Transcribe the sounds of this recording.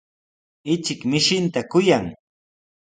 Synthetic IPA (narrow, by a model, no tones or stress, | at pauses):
ɪt͡ʃɪkmɪʃɪnt̪akʊjaŋ